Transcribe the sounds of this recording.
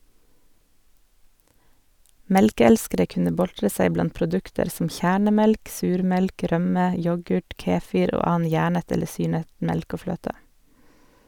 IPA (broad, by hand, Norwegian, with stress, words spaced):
ˈmɛlkəˌɛlskəɾə ˈkʉnə ˈbɔltɾə ˈsæɪ ˈblɑnt pɾʊˈdʉktəɾ sm̩ ˈçæːɳəˌmɛlk ˈsʉːɾˌmɛlk ˈɾœmə ˈjɔɡʉʈ ˈkeːˌfɪɾ ˈoː ˈɑːɑn ˈjæːɳət ˈɛlə ˈsyːɳət ˈmɛlk ˈoː ˈfløːtə